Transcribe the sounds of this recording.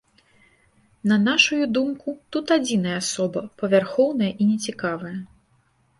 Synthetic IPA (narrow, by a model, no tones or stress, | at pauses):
nɐnaʂujud̪umkut̪ut̪ad͡zʲinɐjɐasɔbɐpɐvʲarxɔwnɐjɐʔinʲɛt͡sʲikavɐjɐ